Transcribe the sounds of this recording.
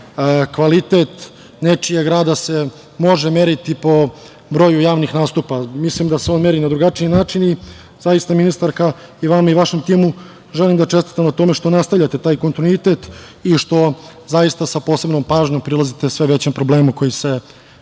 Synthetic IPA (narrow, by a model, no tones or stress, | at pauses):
kʋalit̪et̪ | ne̞t͡ʃijaɡɾaːd̪ase̞ | mo̞ʒeme̞ɾit̪ipo̞ | bɾo̞jujaːʋnixnaːst̪upamislimd̪aseo̞ːnme̞ɾinad̪ɾuɡat͡ʂiinaːt͡ʂini | zajist̪aminist̪aɾkaiʋamaiʋaʃe̞mt̪iːmu | ʒe̞limd̪at͡ʃest̪i̥t̪amnat̪o̞me̞ʃt̪o̞nast̪aʋʎʲat̪e̞t̪aːjko̞nt̪inuit̪e̞t̪iʃt̪o̞zajist̪asapo̞ːse̞bnompaːʒɲo̞mpɾilˠazit̪e̞sʋe̞ʋe̞t͡ɕempɾo̞ble̞ːmuko̞jise̞